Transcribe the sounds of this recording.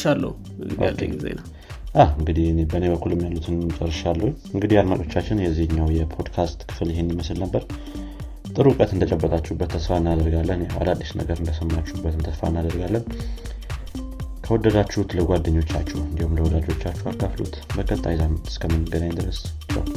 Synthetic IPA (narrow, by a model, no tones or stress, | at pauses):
alːə̰u | ʔkːḛɡizḛn | ʔahɨŋɡɨd̪ihnebəneβəkʰːulɨmːjalːut̪ʰɨnt͡ʃʼərːəʃalːəhu | ɨŋɡɨd̪ihjalmat͡ʃʼo̞t͡ʃːat͡ʃːɪnjɛzːihɨɲːawjɛpʰod̪kʰast̪kʰɨ̥fɨlɪɦenːiməslnəbːəɾ | t̪ʼɨɾukʼət̪ɨnd̪ət͡ʃʼəbːət̪ʼat͡ʃːɛhbːət̪ʰːəsfaɨnːad̪əɾɡalːənjawa̰lad̪ːisnə̰ɡəɾɨnd̪əsəmːat͡ʃːuhbːət̪ɨnt̪ʰəsfa̰nːad̪əɾɡalːən | kʰəwɔd̪ːəd̪at͡ʃːuhut̪ləɡʷad̪ːəɲːo̞t͡ʃːa̰t͡ʃːɛwɨnd̪ihumləwɔd̪ad͡ʒo̞t͡ʃːat͡ʃːuakːaflṵt̪bəkʰʼət̪ʼːajzaɨskʰəmɨnːəɡəd̪aɲnd̪ɨɾəst͡ʃːɪwa̰l